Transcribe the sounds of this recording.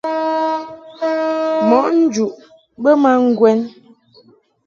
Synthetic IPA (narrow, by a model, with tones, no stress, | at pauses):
mɔ˨˦ʔn̩˦d͡ʒu˨ʔ | ɓə˦ma˦ŋ̩˦ɡwɛ˦n